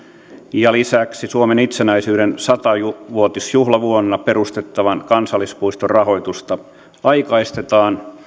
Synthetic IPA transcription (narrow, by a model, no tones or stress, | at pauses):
jɑlisæksisuomenit̪senæisyːɾensɑt̪ɑuʋuot̪isjuhlɑʋuonːɑpeɾust̪et̪ːɑʋɑnkɑnsɑlˑːispuist̪orɑɦo̞it̪ust̪ɑ | ɑikɑist̪et̪ɑːn